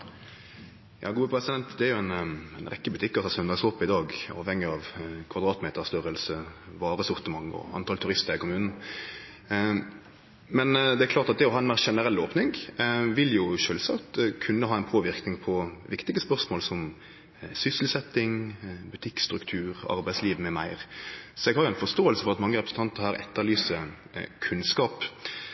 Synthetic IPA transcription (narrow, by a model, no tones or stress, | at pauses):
jɑ̰ːɡuːəpʰɾɛsɪd̪ɛnt̪d̪ɛæɾjʊɛnnʁɛkːəbʉt̪ʰɪkːəsɑsɔmɛnd̪ɑksɔpːəɪd̪ɑːɡɑ̰ːʋhɛŋːɪɑʋkʰʋɑd̪ʁɑːt̪meːt̪əst̪œɾəlsəʋɑːɾəsɔʁt̪əmɑŋːɔ̰ɑ̰nt̪ʰɑlt̪ʰʉʁɪst̪əɾɪkʊmʉːnn̩ | mɛnd̪ɛækʰlɑːʁt̪ɑt̪̚d̪ɛɔhɑːɛnmæːʁʃɛnəʁɛlːoːpnɪŋʋɪljʊʃøːlsɑkt̪kʰʉnːəhɑːɛɪnpʰoːʋɪʁknɪŋpʰɔʋɪkt̪ɪɡəspœʁsmoːlsɔm | sʏsəl̩sɛt̪ːɪŋbʉt̪ʰɪkst̪ɾʉkt̪ʰʉːɾɑ̰ɾbæɪsliːʋmɛmæɪʁsɔɛɡhɑɾjʊɛnfɔʂt̪oːəlsəfɔʁɑt̪mɑŋːəɾɛpɾəsn̩t̪ɑnt̪əɾhɑːɾɛ̰t̪ːəlyːsə | kʰʉnskɑːp